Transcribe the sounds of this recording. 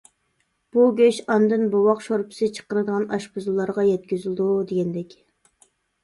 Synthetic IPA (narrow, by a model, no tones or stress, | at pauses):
b̥uɡʲøʃɑnd̪ɨnbowɑqʃoɾpʰɪ̥sɪt͡ʃʰə̥qəɾɨd̪əʁɑnɑʃbuzulˠːɑɾʁɑjɛt̪̚kʲyzɪlˠd̪ud̪eɡʲɛnd̪ɛkʲ